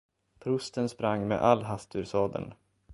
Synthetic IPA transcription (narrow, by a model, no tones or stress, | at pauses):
pʰɾɵst̪ənspɾaŋːmḛʔalːɦast̪ʉɾsɑːd̪ə̰n